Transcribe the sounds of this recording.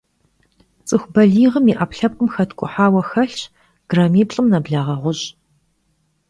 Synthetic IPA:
t͡sʼɨxʷbɐɮiːʁəmiːʔapɬɐp̚kʼʊmxɐtʰkʷʼʊ̰ħaːwɐxɐɬ | ɡ̥raːmiːpɬʼɨmnɐbɮaːʁɐʁʷʊɕʼ

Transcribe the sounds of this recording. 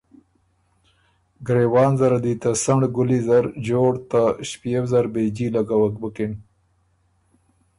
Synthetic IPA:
ɡɾewɑːnzaɾad̪it̪asaɳɖɡʊlizaɾd͡ʒoːɽt̪aʃpijewzaɾbed͡ʒilaɡawak̚bəkɪn

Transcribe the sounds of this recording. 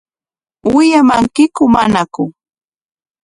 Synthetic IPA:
wɪjamaŋkɪkʊmanakʊ

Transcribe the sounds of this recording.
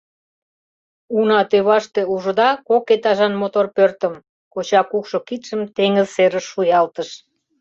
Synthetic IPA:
unɑt̪øβɑʃt̪euʒə̆d̪ɑkoket̪ɑʒɑnmot̪orpørt̪əm | kot͡ɕɑkukʃokit̪ʃəmt̪eŋəzseɾəʃːujɑlt̪əʃ

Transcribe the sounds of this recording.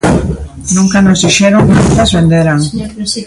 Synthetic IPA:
nũŋkanozðiʃeɾoŋant̪azβend̪eɾaŋ

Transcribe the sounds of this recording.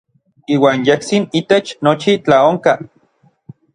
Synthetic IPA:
iːwaːnjeht͡sinit̪et͡ʃnot͡ʃit͡ɬaoŋka

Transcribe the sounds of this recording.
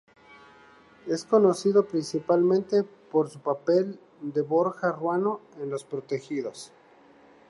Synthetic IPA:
e̞sko̞no̞siðo̞pɾinsipalmẽ̞nt̪e̞po̞ɾsupape̞l | d̪e̞βoɾxarwano̞enlo̞spɾot̪e̞xiðo̞s

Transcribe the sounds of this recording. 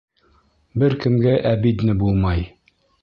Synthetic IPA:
bɘɾkɘ̆mɡæʔæbit̪nɘbulˠmɑj

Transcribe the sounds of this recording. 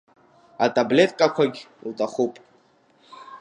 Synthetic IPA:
atʼable̞tʼkʼakʷʰaɡʲltʼaχupʼ

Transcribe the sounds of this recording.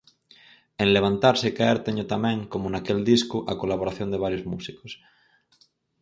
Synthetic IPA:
ẽnleβ̞ant̪aɾsekaeɾt̪eɲot̪amẽŋkomonakeld̪iskuʔakolaβ̞oɾaθjond̪eβaɾjozmusikos

